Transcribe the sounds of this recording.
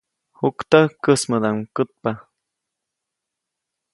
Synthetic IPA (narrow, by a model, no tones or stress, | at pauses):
hukt̪əkəsməd̪aŋkət̪̚pa